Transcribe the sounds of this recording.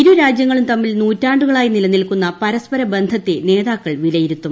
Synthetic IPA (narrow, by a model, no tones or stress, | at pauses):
iɾuɾaːd͡ʑjɐŋːɐɭumt̪ɐmːilnuːtːaːɳɖuɣɐɭaːjinilɐnːilkunːɐpɐɾɐspɐɾɐbe̞nd̪ʱɐt̪ːene̞ːðaːkːɐɭʋilɐjiɾut̪ːum